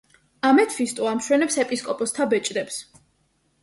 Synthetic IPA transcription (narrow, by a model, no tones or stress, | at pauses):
amɛt̪ʰfist̪ʼuamʃwɛnɛpsɛpʼiskʼɔpʼɔst̪ʰabɛt͡ʃʼd̪ɛps